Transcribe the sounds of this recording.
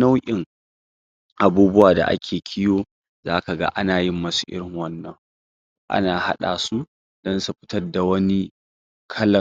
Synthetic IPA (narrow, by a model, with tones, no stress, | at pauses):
na˦wʔʲʼɪ˨ŋ | ʔa˨buː˦bʊ˦waː˨da̰˨ʔa̰˦kʲʰeː˨kʲʰɪ˦joː˦ | zaː˦ka˨ɡa̰˦ʔa˦naː˨jɪ˦mːɐ˦su˨ʔɪ̰˦ɾɪ˨ŋwɐ˦nːɐ˨ŋ | ʔa̰˦naː˨ha˦ɗa̰ː˨su˦ | d̥ɔ˦nsu˨ɸɪ̥˦tɐ˦rda˨wɐ˦ni˦ | kʰɐ˦lɐ˨